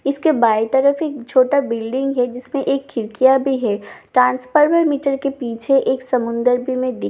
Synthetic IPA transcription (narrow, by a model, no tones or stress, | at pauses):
ɪskebaːjt̪əɾəfeːk̚t͡ʃʰoːʈabɪlɖɪ̃ŋɡɦɛd͡ʒɪsmẽʔeːkʰːɪɾkijabʱiɦɛːʈɾãːnsfəɾməɾmiːʈəɾkepiːt͡ʃʰeʔeːksɐmʊ̃nd̪əɾbʱimẽd̪ɪ